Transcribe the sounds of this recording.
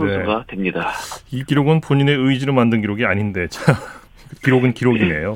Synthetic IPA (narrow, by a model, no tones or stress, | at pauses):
onesɡatwe̞mɲidaikiɾoɡɯnpoɲine̞ɯid͡ʑiɾomandɯnɡiɾoɡiaɲinde̞t͡ɕa | kiɾoɡɯnkiɾoɡine̞̰jo